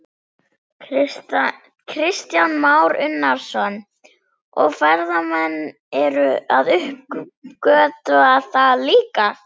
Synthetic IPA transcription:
kʰɾɪst̪janmaːwɾʏnːaɾ̥sɔnː | ɔɣfɛɾðamɛnː | ɛɾʏaðʏhpkœːt̪aθaliːka

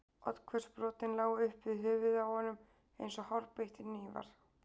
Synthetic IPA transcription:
ɔ̰t̪kʰvɛrspɾɔːt̪ɪnlaːɣʏhpvɪðɦʏːvɪðawhɔnːʏm | ejnsɔhawɾpejht̪ɪniːva̰ɾ̥

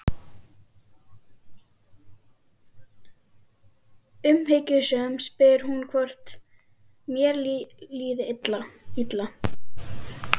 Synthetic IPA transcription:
ʏmheːjcʏsœːʏmspɪɾ̥hunkʰvɔr̥t̪ | mjɛɾliːðɪɪt̪lait̪la

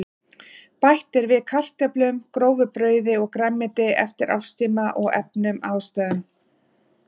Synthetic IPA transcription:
pajht̪ɪɾvɪðkʰar̥t̪aplʏmkɾoːwvʏpɾœːɥðɪɔɣkɾɛmːɪt̪ɪʔɛft̪ɪɾʔa̰wst̪iːmaʔɔɣɛ̰pnʏmaːwst̪aːðʏm

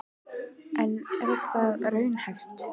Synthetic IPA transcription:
ʔɛnɛɾɪðθaðrœːɥnhɛjft̪

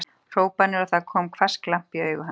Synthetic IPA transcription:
r̥oːwpanɪɾɔθaðkʰɔːmkʰvḁsklam̥piœːɥɣʏɦa

